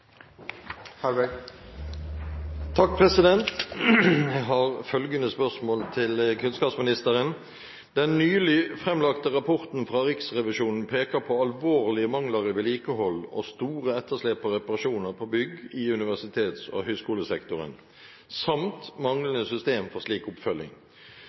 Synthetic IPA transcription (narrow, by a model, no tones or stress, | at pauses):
hæ | t̪ʰɑk̚pʰʁɛsɪd̪ɛnt̪ | jæɦɑːʁfœlɡənəspœʁsmoːlt̪ʰɪlkʰʉnskɑːpsmɪnɪst̪əʁən | d̪̥ɛnːyːlɪfʁɛmlɑkt̪əʁɑpʰɔʁt̪n̩fʁɑʁɪksʁɛʋɪʃuːnn̩pʰeːkəɾpʰɔɑlʋoːʁlɪəmɑŋləʁəʋɪːliːkəhɔlːo̰st̪uːʁəɛt̪ːəʂleːpɔʁɛpɑʁɑʃuːnəʁpʰɔbʏɡɪʉnɪʋæʁsɪt̪ʰeːt̪so̰hœʏskuːləsɛkt̪ʊʁə̰n | sɑmt̪mɑŋlənəsʏst̪eːmfɔʁsliːkʊpfœlːɪ̰ŋ